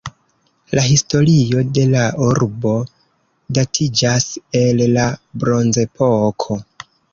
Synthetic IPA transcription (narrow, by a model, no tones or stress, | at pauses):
laɦisto̞ɾio̞de̞lauɾbo̞ | datʰid͡ʒase̞llabɾo̞nze̞pʰokʰo̞